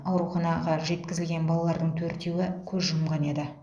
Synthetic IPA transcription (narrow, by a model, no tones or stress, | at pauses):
ɑwɾuχɑnɑʁɑʒe̞t̪̚kʲɪzɪlɡʲe̞nbɑlˠɑlˠɑɾd̪əɴt̪ʰɵɾt̪e̞wɪkʲʰɵzʒʊmʁɑne̞d̪ɪ